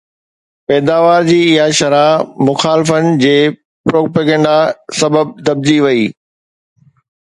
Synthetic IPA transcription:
pɛːd̪aːʋaːɾd͡ʑiːɪɦaʃɐɾamʊxaːlɪfənɪ̆d͡ʑeː | pɾoːkpeːɡɛ̃ɳɖasɐbəb̚d̪ɐb̚d͡ʑiʋɐiː

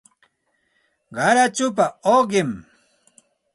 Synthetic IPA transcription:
ɢɑɾat͡ʃʊp̬aoɢɪm

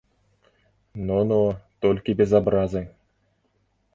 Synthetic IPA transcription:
nonot̪olʲkʲibʲezabɾazɤ̆ŋ

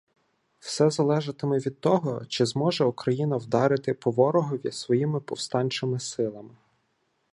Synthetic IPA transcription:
w̥sɛzɐlˠɛʒɐt̪ɪmɛʋʲid̪̚t̪ɔɦɔt͡ʃɪzmɔʒɛʊkɾɐjinɐwd̪ɑɾɪt̪ɪpɔʋɔɾɔɦɔʋʲisʋɔjimɪpɔwst̪ɑnʲt͡ʃɪmɪsɪlˠɐmɪ

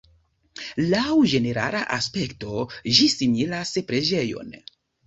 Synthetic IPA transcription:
lawd͡ʒe̞ne̞ɾa̰laʔaspe̞kto̞ʒisimilaspɾe̞d͡ʒe̞jo̞̰n

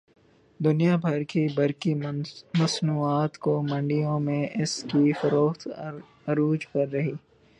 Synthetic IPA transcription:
d̪ʊnijabʱɐɾkibɐɾkimɐsnuːaːt̪komɐ̃ɳɖijõmẽʔɪskifɐɾoːxt̪ | ɐɾuːd͡ʒkɐɾːɐɦiː

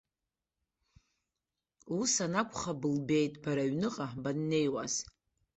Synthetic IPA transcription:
usanakʷʼχabɨlbe̞jtʼbaɾaɥnɨqʼabanːe̞jwaz

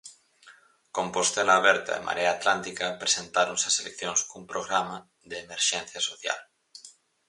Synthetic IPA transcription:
kompost̪elaːβ̞ɛɾt̪a̰ḛma̰ɾeaːt̪lant̪ikapɾesent̪aɾonsaselekθjõnskumpɾoɣɾama | ðeːmeɾʃẽn̟θjasoθja̰l

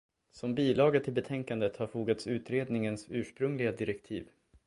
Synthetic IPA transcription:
sɔmbiːlɑːɡət̪ʰɪlbɛt̪ʰɛŋkand̪ət̪haɾfuːɡat̪sʉ̟ːt̪ɾeːd̪nɪŋənsʉ̟ːʂpɾɵŋlɪɡad̪ɪɾɛkt̪ʰḭːv

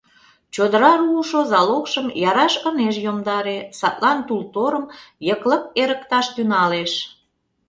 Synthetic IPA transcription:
t͡ɕod̪əɾɑruʃozɑlokʃəmjɑɾɑʃəneʃjomd̪ɑɾesɑt̪lɑnt̪ult̪oɾəmjəklək̚eɾəkt̪ɑʃt̪ynɑleʃ

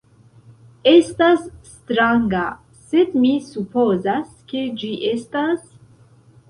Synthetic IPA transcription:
est̪asːt̪ɾaŋɡa | sed̪misupozas | ked͡ʒiʔestas

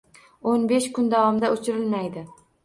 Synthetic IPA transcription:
onbeʃkʊnd̪avɒmd̪aʔot͡ʃʰɪɾɪlmajd̪ɪ

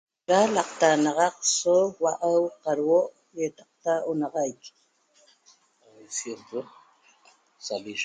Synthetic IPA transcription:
ɾalaqt̪anɑʁɑq̚sowaʔawqɑɾwoʔ | jet̪ɑq̚t̪aonɑʁɑjk | esjet̪o | sali

